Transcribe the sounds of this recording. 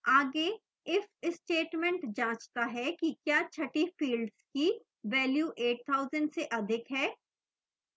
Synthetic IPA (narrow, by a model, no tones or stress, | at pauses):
aːɡe | ɪfɪsʈeːʈmɛ̃ɳʈd͡ʒãːt͡ʃt̪aɦɛkikjaːt͡ʃʰɐʈifiːlɖzki | ʋɛːljuːʔeːʈ̚t̪ʰaːʊzə̃ɳɖseʔɐd̪ʱɪkɦɛː